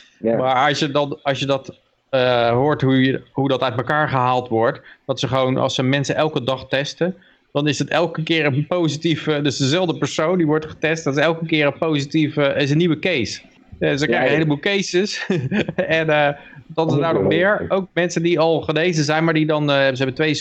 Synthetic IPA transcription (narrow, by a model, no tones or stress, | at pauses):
maːɹɑsjədɑnɑsjədɑt | əɦʊːɹtɦuɦudɑtœɥtməkaːɹχəɦaːlˠtʋɔɹtd̥ɑtsəχəʋownʔɑ̰lˠsəmɛnsənʔɛlˠkədɑχtɛstən | d̥ɑnɪsdətɛlˠkəkɪːɹənpowzitivdøsdəzɛlˠvdəpəɹsowndiʋɔɹtχə̥tɛstdɑtɪsɛlˠkəkɪːɹənpowzitifəɪs̬ənːiʋəkejs | ɛsəkrɛjənɦejləbuːlˠkejsəs | ɛnə | d̥ɑnzədaːɹdɔmmɪːɹowk̚mɛnsəndiɑlˠχənejzənzɛjnmaːɹdidɑnɦɛbəzəɦɛbəntʋej